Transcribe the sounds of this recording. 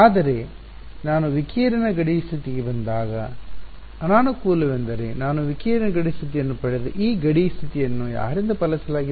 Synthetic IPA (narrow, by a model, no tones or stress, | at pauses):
aːd̪ɐɾe̞ | naːnuʋikiːɾɐnɐɡɐɽist̪ʰit̪iɡebɐnd̪aːɡɐ | ɐnaːnukuːlɐʋend̪ɐɾenaːnuʋikiːɾɐnɐɡɐɽist̪ʰit̪̬ijɐnːupɐɽed̪eʔiːɡɐɽist̪ʰit̪ijɐnːuja̰ːʋɐɾind̪ɐpɐlɐsɐlaːɡi